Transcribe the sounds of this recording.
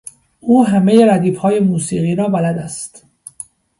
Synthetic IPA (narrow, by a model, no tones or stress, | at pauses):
ʔuːɦæmejeɾæd̪iːfhɒːjemuːsiːɣiːɾɒːbælæd̪æst̪